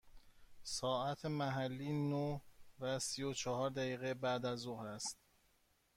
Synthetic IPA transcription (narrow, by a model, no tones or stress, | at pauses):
sɒːʔæt̪ʰemæɦælːiːnovæsijot͡ʃʰɒhɒːɾd̪æjiːɣebæd̪æzohɾæst̪̚